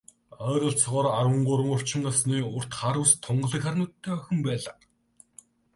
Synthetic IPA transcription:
œːɾʲə̆ɬt͡sɔʁɔːɾaɾwə̆ɴɢʊɾwə̆ŋʊr̥t͡ɕɪ̆ŋasniːʊr̥t̪χaɾʊːst̪ʰːʊɴɢə̆ɮə̆kʲχarʲnʊːt̪ʰːæːœxʲɵ̆mpæːɮaː

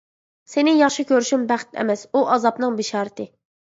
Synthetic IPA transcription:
senɪjɑχʃɨkʲʰøɾyʃymbæχt̪ʰɛ̰mɛsuʔɑzɑpnɨŋbɪʃɑːɾɪt̪ʰɪ

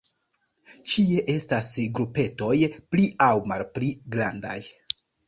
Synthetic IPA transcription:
t͡ʃie̞ʔe̞stasɡɾupe̞to̞jpliawmalpliɡɾanda̰j

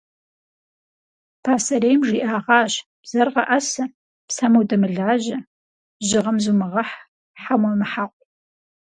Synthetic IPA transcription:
pʰaːsɐɾejmʒiːʔaːʁɑːɕ | b̥z̥ɐrʁɐ̰ʔɐsɐ | psamuwdɐmɨɮaːʑɐ | ʒɪʁɐmzuːmɨʁɐħ | ħamʷɐmɨħaqʷʼ

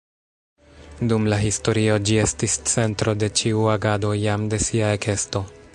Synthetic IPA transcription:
dumlaɦisto̞ɾio̞d͡ʒie̞stist͡se̞ntɾo̞de̞t͡ʃiuaɡado̞jamde̞siae̞kʰe̞sto̞

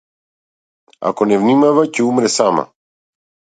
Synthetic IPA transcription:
a̰kɔnɛvnimavacɛumɾɛsama̰

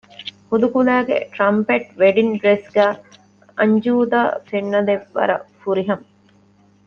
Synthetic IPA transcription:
hud̪ukulæːɡḛʈɾɐmpeʈʋeɖinɖɾesɡæː | ɐɲd͡ʒuːd̪aːfeɳːɐd̪eʋːɐ̰ɾɐ̰fuɾiɦɐmɐ

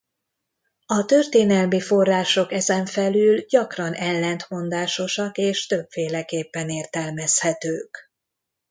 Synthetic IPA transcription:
ɒt̪ørt̪eːnɛlmifo̞rːaːʃo̞kɛzɛɱfɛlylɟɒkrɒnʔɛlːɛnt̪mo̞nd̪aːʃo̞ʃɒkeːʃt̪ø̞bfeːlɛkeːpːɛneːrt̪ɛlmɛshɛt̪øːk

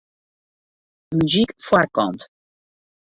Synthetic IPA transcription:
myzikfwakɔ̰̃nt̪

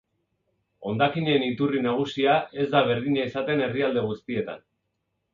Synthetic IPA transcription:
o̞nd̪akiɲe̞ːnit̪urinaɣ̞usiaʔe̞zd̪aβ̞e̞ɾðiɲaisat̪e̞ne̞riald̪e̞ɣ̞ust̪ie̞t̪a̰n

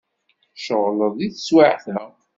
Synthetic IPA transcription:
ʃəʁləðˤiθəswaʕθæ

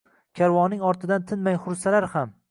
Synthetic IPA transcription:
kʲʰaɾwɒnɪŋɒɾt̪ʰɪd̪ant̪ʰɪnmajχʊɾsalaɾham

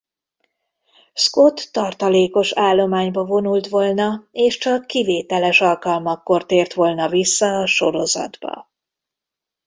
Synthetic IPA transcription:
sko̞t̪ːɒrt̪ɒleːko̞ʃaːlːo̞maːɲbɒvo̞nult̪ʋo̞lnɒeːʃt͡ʃɒkːiveːt̪ɛlɛʃɒlkɒlmɒkːo̞rt̪eːrt̪ʋo̞lnɒvisːɒːʃo̞ɾo̞zɒ̰d̪bɒ̰

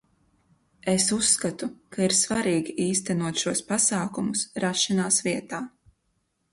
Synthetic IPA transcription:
esusːkat̪ukaiɾsvaɾiːɡiʔiːst̪ɛnuɔt̪ʃuɔspasaːkumusɾaʃanaːsviɛt̪aː

